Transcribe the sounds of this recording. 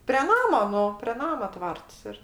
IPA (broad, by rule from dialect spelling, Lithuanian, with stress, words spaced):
pʲrʲɛ ˈnɑːmoː ˈnʊ pʲrʲɛ ˈnɑːmɐ ˈtʋɐrts ɪr